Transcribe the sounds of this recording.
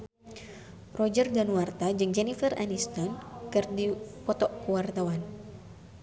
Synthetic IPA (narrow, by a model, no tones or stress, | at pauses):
rɔd͡ʒərdanwart̪ad͡ʒɨŋd͡ʒɛnifəranist̪ɔnkɨrdipɔt̪ɔʔkuwart̪awan